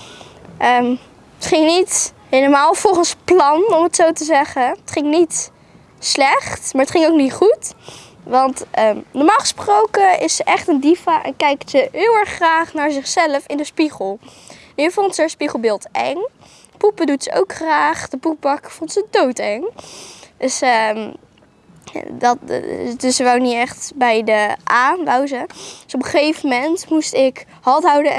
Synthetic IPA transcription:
ʔə | ətχɪŋnit | ɦejləmaːlˠv̥ɔlˠχənsplɑnɔmətsowtəzɛχəətχɪŋnit | slɛχtmaːɹətχɪŋowknitχut | ʋɑntənɔɹmaːlˠχə̥sprowkəɪsəʔɛχtəndifaʔɛ̰nkɛjktsəɦɪːlˠɛɹχːraːχnaːɹzɪχsɛləfɪndəspiχəlˠ | ɛnjəvontsəəspiχəlˠbɪːlˠtʔɛŋ | pupədutsəʔo̰wkχraːχd̥əpup̚bɑkfontsədowtɛŋ | dəsə | dɑtdsəʋɛwniɛχtbɛjdəʔaːʋawzədsɔpəχejvəmɛntmustɪk | ɦɑltɦɑwdə

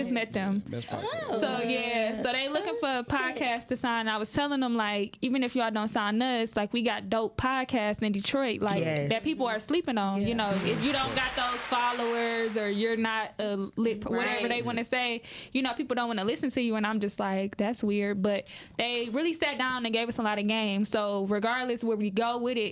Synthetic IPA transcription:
ʌsmɛt̪̚ðɨ̃m̰ | soʊjæsoʊðeɪlʊkɪ̃ŋfə˞əpʰɑd̚kʰæstʰɨsãɪ̃nɨ̃naɪwʌz̥tʰɛlˠɪ̃ŋðə̃mlaɪkivɨ̃nɨfjɨədõʊ̃nsãɪ̃nʌslaɪkwiɡɑt̚d̥õʊt̚pʰɑd̚kʰæstɨ̃ndɨtʰɹ̥ɔɪʔlaɪðɨt̚pʰipl̩ˠə˞slipɪ̃ŋə̃njɨnoʊɪfjɨɾõʊ̃nɡɑt̪̚ðoʊz̥fɑlˠoʊə˞zə˞jə˞nəɾəlɪt̚pʰwʌɾɛvə˞ðeɪwɑnɨseɪjɨnoʊpʰipl̩ˠdõʊ̃nwɑ̃nəlɪsɨ̃n̩tʰɨjɨə̃nãɪ̃md͡ʒʌst̚ˡlaɪk̚ðætswɪɹd̚bʌt̪̚ðeɪɹɪlˠisæt̚d̥ãʊ̃nɨ̃nɡeɪvʌsəlɑɾɨɡẽɪ̃mz̥soʊɹɨɡɑɹdˡlɨswə˞wiɡoʊwɪðɪt̚

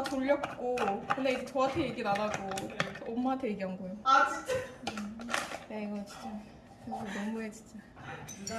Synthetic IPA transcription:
toʎːʌk̚k͈okɯnde̞id͡ʑe̞t͡ɕoatʰejeɡinanaɡoːmːatʰeɡiɦaŋɡojoa | ɯne̞iɡʌt͡ɕi̥t͡ɕ͈a | kesʰunʌmuɦet͡ɕi̥t͡ɕ͈aj

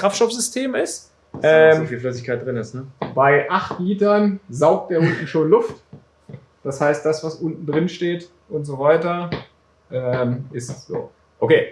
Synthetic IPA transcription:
kʁ̥aftʃtɔfz̥ʏstʰeːmɪst | ʔɛːmfiːlflœs̬ɪçkʰaɪt̚d̥ʁɪnɪstnəb̥aɪʔaχtliːtɐnzaʊk̚td̥eːɐʔʊntn̩ʃoːnlʊft | d̥ashaɪst̚d̥asv̥asʔʊntn̩dʁɪnʃteːt | ʔʊntz̥oːvaɪtɐ | ʔɛmʔɪstz̥o̰ː | ʔokʰeː

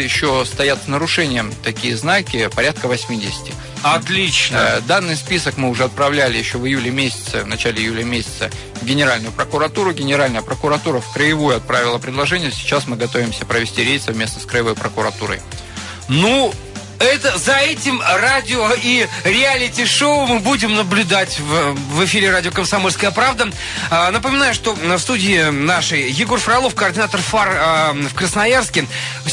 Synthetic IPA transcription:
jɪɕːost̪ɐjat̪snəɾʊʂɛnʲɪjəmt̪ɐkʲijəznakʲɪpɐɾʲat̪̚kəvɐsʲmʲidʲɪsʲɪ̥tʲɪ | ɐt̪lʲit͡ɕnd̪anːɨjspʲisəkmɨʊʐɛɐt̪̚pɾɐvlʲælʲɪjɪɕːovɨjulʲɪmʲesʲɪ̥t̪səvnɐt͡ɕælʲɪɪjulʲəmʲesʲɪ̥t̪sə | ɡʲɪnʲɪɾalʲnʊjʊpɾəkʊɾɐt̪uɾʊɡʲɪnʲɪɾalʲnəjəpɾəkʊɾɐt̪uɾəfkɾəjɪvujʊɐt̪̚pɾavʲɪlˠəpɾʲɪd̪lˠɐʐɛnʲɪjəsʲɪ̥t͡ɕasmɨɡɐt̪o̞vʲɪmsʲəpɾəvʲɪsʲtʲiɾʲej̪sɐvmʲe̞snəskɾəjɪvo̞jpɾəkʊɾɐt̪uɾə̰j | nu | ɛt̪əzɐɛtʲɪmradʲɪoiɾʲɪalʲɪtʲɪʂoʊmɨbudʲɪmnəblʲʊd̪atʲvvɨfʲiɾʲɪradʲɪokəmsɐmo̞lʲskəjəpɾavd̪ə | nəpəmʲɪnajʊʂt̪o̞fst̪udʲɪːnaʂɨjjɪɡo̞rfɾɐlˠo̞fkəɐrdʲɪnat̪ərfarfkɾəsnɐjarskʲɪ | f

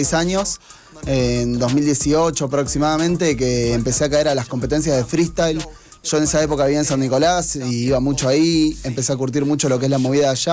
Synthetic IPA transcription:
jsaɲo̞s | end̪o̞zmild̪je̞sio̞t͡ʃopɾo̞ksimaðamẽ̞nt̪e̞keːmpe̞seakaeɾalasko̞mpe̞t̪e̞ns̬jaðefɾist̪ajl | ʒ̥o̞ene̞saepo̞kaβiaens̬anːiko̞lasiiβamut͡ʃoaiempe̞seakuɾt̪̬iɾmut͡ʃo̞lokeslamo̞β̞iðaːʃa

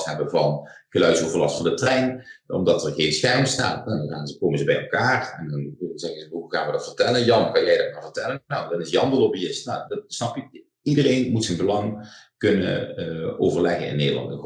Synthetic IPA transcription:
tɦɛbəvɑnɣəlœɥtsowvərlɑstfɑndətrɛjnɔ̰mdɑtərɣeːnsxɛrməsta̰ːtɛndɔnxaːnzəkoːmənzəbɛjɛ̰lˠkaːrɛndɑnʋɪlˠəəzɛɣənzəʋəɦuɣaːnʋədɑtfərtɛlˠənjɑməkanjɛjdɑt̚maːvərtɛlənnawdɑnɪsjɑndəlobiɪstnawdsnɑp | idəreːnmutsənbəlɑŋkɵnə̰owvərlɛɣənɪ̰nːeːdəlˠɑ̰ntə

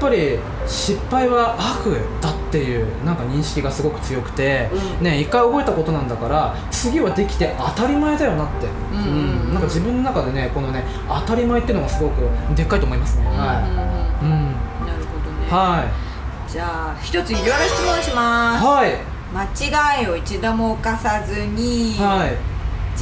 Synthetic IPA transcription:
japːaɾʲi | ɕipːaiβaʔakɯ̟d̪at̪ːe̞jɯ̟ːnãŋkaɲ̟ĩɰ̃ɕi̥kʲiɡasɨɡo̞kɯ̟̥t͡sɨjo̞kɯ̟̥t̪e̞ne̞ikːaio̞bo̞e̞t̪ako̞t̪o̞nãnd̪akaɾa | t͡sɨɡʲiβad̪e̞kʲi̥t̪e̞ʔat̪aɾʲimaed̪ajo̞nat̪ːe̞ | ɯ̟̃ɴnãŋkad͡ʑibɯ̃nːo̞nakad̪e̞ne̞ko̞no̞ne̞ | at̪aɾʲimaet̪ːeiɯ̟noɡasɨɡo̞kɯ̟d̪e̞kːaɾit̪omo̞imasɨna | ɯ̃ɴnaɾɯ̟ho̞d̪onehai | d͡ʑaːçʲi̥t̪o̞t͡sɨiiɾaɾai̥t͡sɨmõɕimahai | mat͡ɕiɡaio̞it͡ɕid̪omoːkasazɨɲ̟ihai

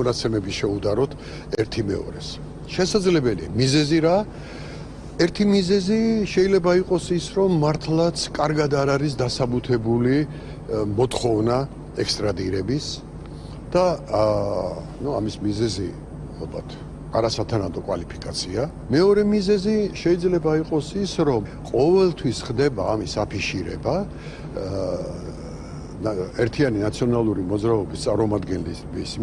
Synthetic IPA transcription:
ɔnat̪sʰɛmɛbiʃɛud̪aɾɔt̪ʰ | ɛɾt̪ʰimɛ̰ɔ̰ɾɛs | ʃɛsad̪zlɛbɛlḭamizɛziɾa | ɛɾt̪ʰimizɛziʃɛilɛbaiqʼɔsisɾɔmːaɾt̪ʰlˠat̪sʰkʼaɾɡad̪aɾaɾis̬d̪asabut̪ʰɛbuli | mɔt̪ʰχɔvna | ɛkst̪ʼɾad̪iɾɛbis | d̪̥a | nuamismizɛzi | alˠba̰t̪ʰ | aɾasat̪ʰanad̪ɔkʼwalipʰikʼat̪sʰia | mɛɔɾɛmizɛziʃɛid̪zlɛbaiqʼɔsisɾɔmqʼɔvɛlˠt̪ʰwisχd̪ɛbaːmisapʰiʃiɾɛba | ɛɾt̪ʰianinat̪sʰiɔnalˠuɾimɔd̪zɾaɔbist̪sʼaɾmɔmad̪ɡɛnlisbis

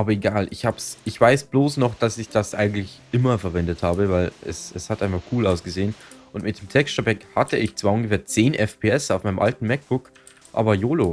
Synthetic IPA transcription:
ʔaːbɐeɡaːlʔɪçhaːbsʔɪçv̥aɪsb̥loːsnɔχd̥asɪçd̥asʔa̰ɪɡŋ̩tlɪçʔɪmɐfɛɐvɛndəthaːbəvaɪlʔɛ̰sɛshatʔaɪnfakʰuːlaʊsɡ̥əzeːənʔʊntmɪt̚d̥eːmtʰɛkstəbɛkhatəʔɪçt͡sv̥aːɐʊnɡəfeːɐt͡seːnʔɛfpʰeːɛsaʊfmaɪnəmʔa̰ltn̩mɛk̚b̥ʊk | ʔa̰ːbɐjoːlo

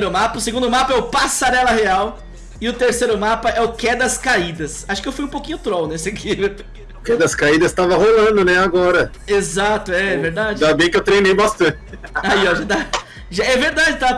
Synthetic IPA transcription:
ɾʊmapɐʊseɡũnd̪ʊmapɐɛʊpasaɾɛlɐheaw | ɪʊt̪eɾsejɾʊmapɐɛʊkɛd̪ɐskaid̪ɐsaʃʊ̥kɪewfujũpowkĩɲʊt̪ɾownesɪakʰi | ʊkɛd̪ɐskaid̪ɐst̪avɐɦolɐ̃d̪ʊnɛaɡɔɾɐ | ezat̪ʊɛɛveɾd̪ad͡ʒɪd̪abẽj̃kɪewt̪ɾejnejbast̪ɐ̃t͡ʃɪaiɔʒad̪a | ʒaɛveɾd̪ad͡ʒɪt̪a

